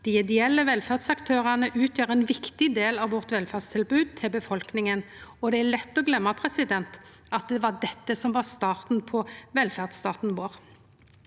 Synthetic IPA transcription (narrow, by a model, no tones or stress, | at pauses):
d̪̥ɪɛd̪ɪɛlːəʋɛlfæʁd̪sɑkt̪ʰøːʁɑnəʔʉːt̪ʰjøːʁɛnʋɪkt̪ɪd̪eːlɑʋʋɔʁt̪ʋɛlfæd̪st̪ʰɪlbʉːd̪̚t̪ʰɪlbəfɔlknɪŋənɔd̪ɛælɛt̪ːɔɡlɛmːɑpʰʁɛsɪd̪ɛnt̪ | ɑt̪̚d̪ɛʋɑd̪ɛt̪ːəsɔmʋɑst̪ɑːʁt̪n̩pʰɔʋɛlfæʁd̪st̪ɑːt̪n̩ʋoːʁ